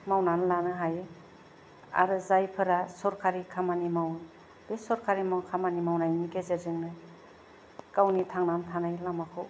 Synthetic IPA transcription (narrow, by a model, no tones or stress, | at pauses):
mawnanlanɯɦaj | a̰ɾɯzajpʰɯɾasɔɾkʰaɾikʰamanimaw | b̥esɔɾkʰaɾimawkʰamanimawnajniɡezezɯŋnɯ | kawnitʰaŋnantʰanajlamakʰɯw